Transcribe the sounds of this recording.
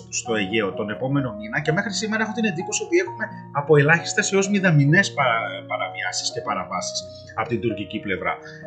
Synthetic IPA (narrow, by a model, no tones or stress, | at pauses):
st̪o̞e̞ʝe̞o̞t̪one̞po̞me̞no̞minɐce̞mexɾisime̞ɾɐexot̪ined̪ipusiopie̞xume̞ | ɐpoe̞lɐçi̥st̪ɐseo̞zmiðɐmine̞spɐpɐɾɐviɐsi̥sce̞pɐɾɐvɐsi̥s | ɐpo̞t̪ind̪uɾciciple̞vɾɐ̰